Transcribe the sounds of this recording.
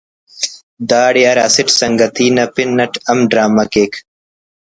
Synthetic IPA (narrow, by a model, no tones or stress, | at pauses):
d̪aːɽijaːɾasiʈsɐŋɡɐt̪iːnɐpinːɐʈʰɐmɖɾaːmɐkeːk